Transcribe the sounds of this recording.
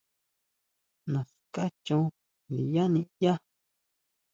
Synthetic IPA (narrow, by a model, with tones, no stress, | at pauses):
nã˨ska˦t͡ʃũ˦ | li˨ja˦nĩ˦ja˦